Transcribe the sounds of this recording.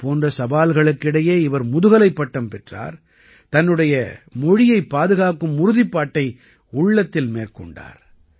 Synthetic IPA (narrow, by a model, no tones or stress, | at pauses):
poːndrɐsɐbaːlɣɐɭɯkːɪɽɐjeːɪʋɐɾmʊðɯɣɐlɐɪpːɐʈːɐmpɛʈra̰ːɾ | t̪ɐnːɯɽɐjɐmɔɻɪjɐɪpːaːðɯɣaːkɯmʊɾʊðɪpːaːʈːɐɪ | ʊɭːɐt̪ːɪlmeːɾkɔɳɖa̰ːɾ